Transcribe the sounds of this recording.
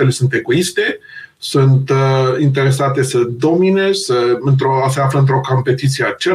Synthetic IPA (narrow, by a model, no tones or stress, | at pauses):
elesunt̪e̞ɡoist̪e̞sunt̪int̪eɾe̞sat̪e̞səd̪o̞mine̞z̥səɨnt̪ɾos̬eafləɨnt̪ɾo̞ko̞mpe̞t̪it̪sijeat͡ʃe